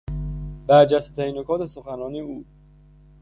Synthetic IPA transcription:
bæɾd͡ʒæst̪et̪ʰæɾinokʰɒːt̪ʰe̞soxænɒːniːuː

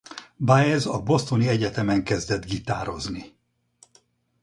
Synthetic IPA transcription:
bajɛzɒbo̞st̪o̞niɛɟɛt̪ɛmɛŋkɛzd̪ɛd̪ɡit̪aːɾo̞zni

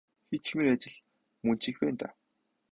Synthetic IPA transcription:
xet͡ɕxmiŋat͡ɕɪ̆ɮ | mɵn̥t͡ɕĭxpæːnt̪a̰

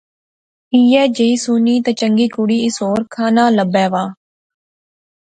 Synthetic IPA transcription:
iːɛːd͡ʒeiːsuːniːt̪ɛːt͡ʃəŋɡiːkʊɽiːɪsoːɾkʰaːnaːləbɛːʋaː

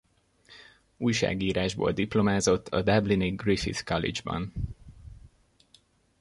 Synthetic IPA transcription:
uːjʃa̰ːɡiːɾaːʒbo̰ːld̪iplo̞maːzo̞t̪ʰːɒ̰d̪abliniɡrifḭt̪kɒlḭd͡ʒbɒ̰n

